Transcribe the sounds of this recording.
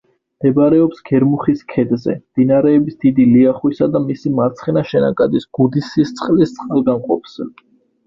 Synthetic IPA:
md̪̥ɛbɾɛɔpsɡ̥ɛɾmuχiskʰɛd̪zɛ̰md̪̥inaɾɛːbisd̪̥id̪iliaχwisad̪amisimaɾt̪sʰχɛnaʃɛnakʼad̪isɡ̥ud̪isist̪sʼqʼlist̪sʼqʼalˠɡamqʼɔpz̥ɛ

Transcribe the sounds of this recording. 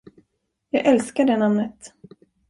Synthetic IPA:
jɑːɡʔɛlskaɖɛːnamnət̪

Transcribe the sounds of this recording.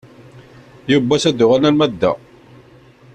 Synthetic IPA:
jubːæsæd̪ʊʁænælmæd̪ːæ̰

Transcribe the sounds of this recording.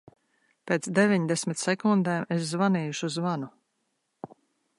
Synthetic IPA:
pʲeːt̪sd̪evʲiɲd̪esʲmʲit̪sɛkund̪ɛːmes̬zvaniːjuʃuzvanu

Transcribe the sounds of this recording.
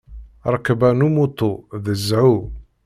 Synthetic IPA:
ɾˤəkːbænumut̪ːoðəzːʕu

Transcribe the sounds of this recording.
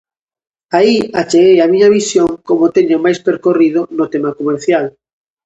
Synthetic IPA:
aiat͡ʃeɣejamiɲaβisjoŋkomʊt̪eɲʊmajspeɾkoriðʊnʊt̪emakomeɾθjal

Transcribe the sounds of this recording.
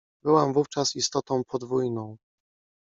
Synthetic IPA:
bɘwamvuft͡ʂasist̪ɔt̪ɔ̃w̃pʰɔd̪vujnɔ̃w̃

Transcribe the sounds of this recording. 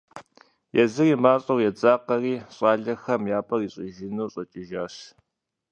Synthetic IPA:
jɛzɨriːmaːɕʼɐwjɛt͡sʼaːqɐriːɕʼaːɮɐxɐmjaːpʼɐriːɕʼɪʒɪnuːɕʼɐt͡ʃʼɪʒaːɕ

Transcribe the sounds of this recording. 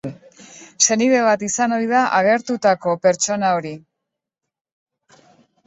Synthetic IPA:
se̞niðe̞β̞at̪isano̞jðaʔaɣ̞e̞ɾt̪ut̪ako̞pe̞ɾt͡ʃo̞nao̞ɾi

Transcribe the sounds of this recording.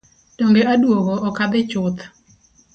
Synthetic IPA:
d̥oŋɡeadwoɡoːkad̪ɪt͡ʃʊt̪

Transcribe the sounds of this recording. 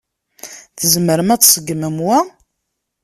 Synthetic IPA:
θəzməɾəmæt͡sːsəɡməmwæ

